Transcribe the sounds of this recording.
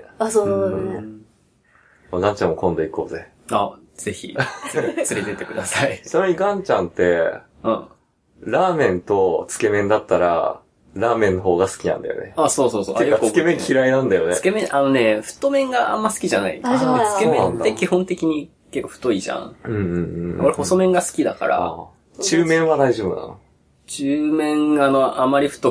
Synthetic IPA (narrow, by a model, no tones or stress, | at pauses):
aso | maɡãɲ̟t͡ɕãmːokõ̞nd̪o̞iko̞ːze | a | z̥e̞çḭt͡sɨɾʲed̪e̞t̪ekɯ̟d̪asaisoɾoɲ̟iɡãɲ̟t͡ɕãnt̪e̞ | ɯ̃ | ɾaːmẽ̞nt̪o̞t͡sɨ̥ke̞mẽ̞nd̪at̪ːaɾa̰ | ɾaːmẽ̞nːoɦo̞ːɡasɨ̥kʲinã̰nd̪a̰jo̰nḛaso̞ːsoːsoːjokːɨkemẽŋkʲiɾainãnd̪ajo̞nɨ̥kemẽʔano̞ne̞ɸɯ̟̥t̪ːo̞mẽ̞ŋɡaa̰mːasɨ̥kʲiʑanaḭt͡sɨkemẽãnd̪ekʲihõ̞nt̪e̞kʲiɲ̟i | kekːo̞ɸɯ̥t̪o̞iʑã̰ŋɯ̟̃ɴɯ̃ɴ̃oɾeho̞so̞mẽ̞ŋɡasɨ̥kʲid̪a̰ka̰ɾa̰ | t͡ɕɨːmẽ̞ɰ̃βad̪aiʑobɯ̟na̰no̰ | t͡ɕɨːmẽ̞ŋɡano̞amːaɾʲiɸɯ̥t̪o